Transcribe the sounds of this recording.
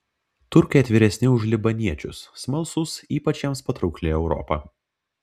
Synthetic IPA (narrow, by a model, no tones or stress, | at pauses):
t̪ʊɾʲkɐjɛt̪ʲʋʲiːɾʲɛsʲnʲɪʊʒlʲɪbɐnʲiɛt͡ʃʲʊsːmɐlˠsʊsiːpɐt͡ʃʲɛmspɐt̪ɾɐʊklʲeːɛʊɾɔ̰pɐː